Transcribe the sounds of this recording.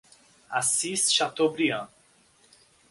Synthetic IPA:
asːiːsʃat̪ːɔbɾia

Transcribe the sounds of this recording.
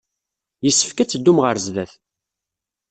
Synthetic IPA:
jəsːə̥fkæt͡sːd̪ːumʁəɾzðæθ

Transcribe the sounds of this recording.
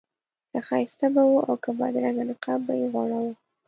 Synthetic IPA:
kaxɑjɪst̪abawuʔa̰wkabɑ̰d̪ɾaŋɡanɪqɑbbajeɣaɽawu

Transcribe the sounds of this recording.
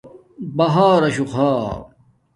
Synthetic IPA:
bɐɦaːɾɐɕuxʰaː

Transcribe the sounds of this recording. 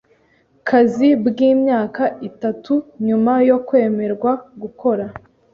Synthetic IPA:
kʰazibɡiːmɲaːkaitatuɲumajo̞kwe̞ːme̞ɾɡwaɡuko̞ɾa

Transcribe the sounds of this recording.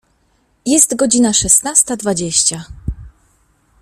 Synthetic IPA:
jɛst̪ɡɔd͡ʑinaʂɛsnast̪ad̪vad͡ʑeɕt͡ɕa

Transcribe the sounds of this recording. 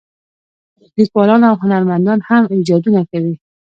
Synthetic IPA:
likwɑlɑnawɦʊnaɾmand̪ɑnhamid͡ʒɑd̪unakawi

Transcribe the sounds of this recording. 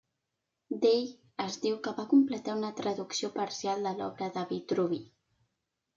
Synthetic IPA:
d̪ej | əzd̪iwkəβakumplət̪aunət̪ɾəðuksiopəɾsialˠd̪əlɔ̰βɾəðəβit̪ɾuβi

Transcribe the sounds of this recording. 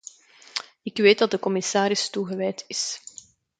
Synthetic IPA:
ɪkʋeːt̚dɑt̚dəkɔmɪsaːɾɪstuɣəʋɛjtʰɪs

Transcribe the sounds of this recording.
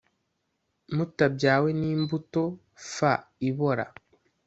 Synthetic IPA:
mutabɟaːwe̞niːmbuto̞ | faiβo̞ɾa̰

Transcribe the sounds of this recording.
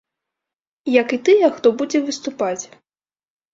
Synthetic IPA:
jɐkit̪ɨjɛxt̪ɔbud͡zʲɛvɨst̪upat͡sʲ

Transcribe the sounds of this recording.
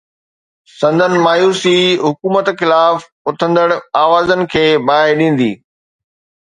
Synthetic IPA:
sɐ̃nd̪ʱənɪ̆maːjuːsiɦʊkuːmət̪xɪlaːf | ʊt̪ʰə̃nd̪əɽaːʋaːzənɪ̆kʰeːbaːɪɗĩːn̆d̪iː

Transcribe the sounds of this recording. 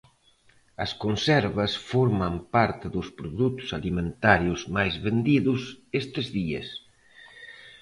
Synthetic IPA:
ɐskonsɛɾβɐsfoɾmampaɾt̪ɪðʊspɾoðut̪ʊ̥salimẽnt̪aɾjuzmajzβend̪iðʊsest̪ezðiḛs

